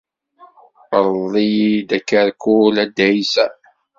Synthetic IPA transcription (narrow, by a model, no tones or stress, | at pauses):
ɾˤðˤid̪ækːəɾkulæd̪ːæjsæ